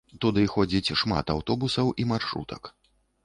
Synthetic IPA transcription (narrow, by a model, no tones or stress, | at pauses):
t̪ud̪ɨxɔd͡zʲit͡sʲʂma̰t̪awt̪ɔbusɐwʔimarʂɾṵt̪ɐ̰k